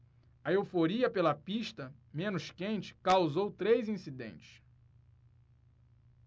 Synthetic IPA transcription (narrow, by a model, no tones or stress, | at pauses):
ɐewfoɾiɐpelɐpiʃt̪ɐmẽnʊʃkẽnt͡ʃɪ̥kawzowt̪ɾejzĩsid̪ḛ̃nt͡ʃɪ̥ʃ